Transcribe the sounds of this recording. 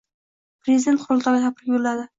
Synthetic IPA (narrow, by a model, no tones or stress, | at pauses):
pɾezɪd̪ʲent̪qʰʊɾlˠt̪ʰɒɡʲat̪ʰapʰɪɾɪɡʲolːad̪ɪ